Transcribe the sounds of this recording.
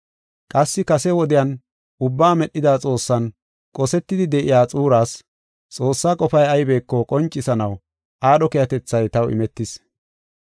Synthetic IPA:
kʼɐsːɪkɐsɛwɔd̪ɪjɐn | ʔʊbːaːmɛɗːɪd̪aːt͡sʼo̞ːsːɐn | kʼɔsɛt̪ːɪd̪ɪd̪ɛʔɪjaːt͡sʼuːɾaːs | t͡sʼo̞ːsːaːkʼɔfɐjɐjbe̞ːkːɔkʼɔnt͡ʃʼːɪsɐnɐw | ʔaːɗɔkɛjɐt̪ɛt͡sːɐjt̪ɐwɪ̰mɛt̪ːɪs

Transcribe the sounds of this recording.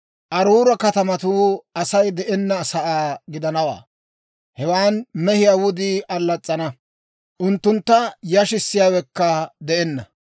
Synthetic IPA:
ʔɐɾuːɾɐkɐt̪ɐmɐt̪uɐsɐjd̪ɛʔɛnːɐsɐʔaːɡɪd̪ɐnɐwa̰ː | hɛwaːnmɛhɪjawʊd̪ɪʔɐlːɐt͡sʼːɐnɐ | ʔʊnt̪ːʊnt̪ːɐjɐʃɪsːɪjaːwɛkːɐd̪ɛʔɛnːɐ

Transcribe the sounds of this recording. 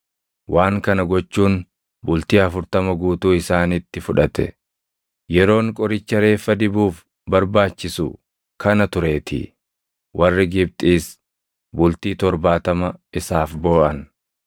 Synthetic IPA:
wʔaːŋkɐnɐɡɔt͡ʃːuːn | bʊlt̪iːɐfʊɾt̪ɐmɐɡuːt̪uːɪsaːnɪt̪ːɪfʊᶑɐt̪ɛ̰ | jɛɾo̞ːŋkʼɔɾɪt͡ʃːɐɾe̞ːfːɐd̪ɪbuːf | bɐɾbaːt͡ʃːɪsʊ̰ | kʰɐnɐt̪ʊɾe̞ːt̪ʰɪ̰ | wʔɐrːɪɡɪb̚t̪ʼiːs | bʊlt̪iːt̪ɔɾbaːt̪ɐmɐɪsaːfboːʔɐn

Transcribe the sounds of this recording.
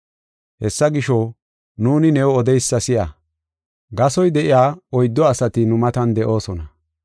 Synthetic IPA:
hɛsːɐɡɪʃɔ | nuːnɪnɛwɔd̪ɛjsːɐsɪjɐ | ɡɐsɔjd̪ɛʔɪjaːɔjd̪ːɔɐsɐt̪ɪnʊmɐt̪ɐnd̪ɛʔo̞ːsɔnɐ

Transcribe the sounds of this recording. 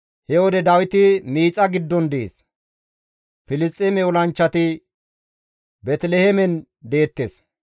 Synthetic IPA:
hɛwɔd̪ɛd̪ɐwɪt̪ɪmiːt͡sʼːɐɡɪd̪ːɔnd̪ɛʔḛs | fɪlɪst͡sʼːɛmɛɔlɐnt͡ʃːɐt̪ɪ | bɛt̪lɛhɛmɛn | d̪e̞ːt̪ːes

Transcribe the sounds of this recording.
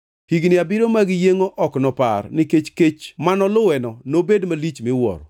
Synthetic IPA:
hiɡnɪabɪɾomaɡɪjeŋoʔɔknɔpa̰rnɪket͡ʃket͡ʃmanɔlʊwɛnɔnobedmalit͡ʃmɪwɔ̰ɾɔ

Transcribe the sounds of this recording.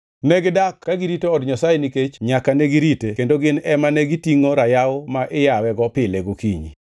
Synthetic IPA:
nɛɡdakːaɡiɾitoɔdɲasajeniket͡ʃɲakanɛɡiɾitekendoɡɪnɛmanɛɡitiŋoɾajawmaʔɪjawɛɡɔpɪleɡokiɲḭ

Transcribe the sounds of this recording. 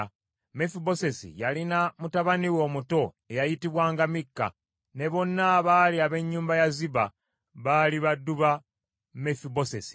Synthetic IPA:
mefibo̞se̞sḭjalinamutaβaniwo̞ːmuto̞ | e̞jajitiβwaːŋɡamikːa̰ | ne̞βo̞nːaβaliaβe̞ɲːuːmbajaziβa | βaliβadːuβa | mefibo̞sesi̥

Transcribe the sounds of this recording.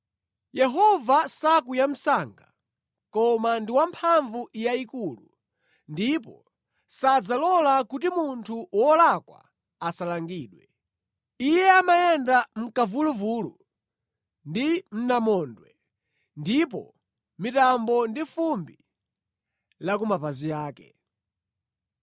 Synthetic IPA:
jɛɦɔvasakujam̩saŋɡa | kɔmandiwampʰaɱvuʔijaikuːlu | ndipɔ | sad͡zalɔlakut̬imuntʰuwɔlakwa̰ | asalaŋɡiːɗwɛ | ijɛamajɛndam̩kavuluvulu | ndim̩namɔːndwɛ | ndipɔ̰ | mitambɔndifumbi | lakumapazijaːkɛ̰

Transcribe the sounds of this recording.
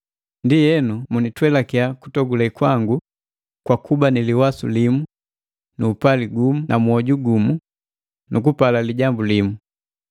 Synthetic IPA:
ndijɛnumunitwɛlakiaku̥tɔɡulɛkwaŋɡu | kwakubaniliwasulimu | nuːpaliɡumunʔamuɔɟuɡumu | nukupalaliɟambulimu

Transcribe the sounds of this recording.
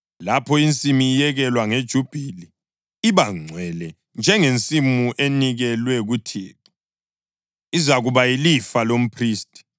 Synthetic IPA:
lapʰɔint͡sʼimijɛɣɛlwaŋed̥ʒ̥ʱub̥ʱili | iβaŋ͡ǀʱwɛlɛ | nd͡ʒʱɛŋent͡sʼimuʔeniɣɛlwɛɣutʰḛːkʰi̥ | izaɣuβajilifalom̩pʰriːstʼi̥

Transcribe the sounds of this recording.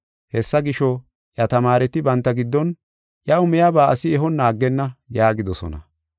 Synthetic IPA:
hɛsːɐɡɪʃɔ | jɐt̪ɐmaːɾɛt̪ɪbɐnt̪ːɐɡɪd̪ːɔn | jɐʊmɛjabaːʔɐsɪɛɦɔnːaːɡːɛnːɐjaːɡɪd̪ɔsɔ̰nɐ̰

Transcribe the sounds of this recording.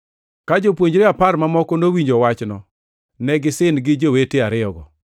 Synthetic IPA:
kad͡ʒopwoɲd͡ʒɾeapaɾmamɔkɔnowiɲd͡ʒowat͡ʃnɔ̰ | nɛɡɪsɪnɡɪd͡ʒoweteaɾɪɔɡɔ̰

